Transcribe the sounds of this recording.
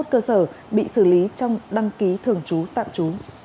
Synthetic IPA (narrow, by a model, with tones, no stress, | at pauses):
t̚kəː˧səː˧˩ɓḭ˧˨sɨ˧˩li˨˦t͡ɕɔ˧wŋ͡mɗa˧ŋki˨˦t̪ʰɨ˨˩əŋt͡ɕu˨˦t̪a̰ː˧˨mt͡ɕu˨˦